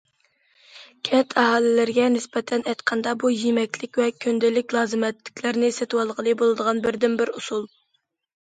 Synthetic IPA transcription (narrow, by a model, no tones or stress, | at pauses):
kʲʰɛt̪ʰɑɦɑːlˠɪlɪɾɡʲɛnɪspɛt̪ʰɛnɛjt̪qʰɑnd̪ɑbujemɛkʲʰlɪkʲvɛkʲʰønd̪ɪlɪkʲlˠɑːzɨmɛt̪lɪ̥kʲlɪɾnɪset̪wɑlˠʁəlˠɨbolˠɨd̪əʁɑnbɪɾd̪ɪnbɪɾusulˠ